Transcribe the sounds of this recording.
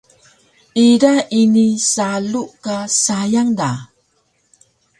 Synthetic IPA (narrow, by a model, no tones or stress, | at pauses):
iɾainisaluʔkasajaŋda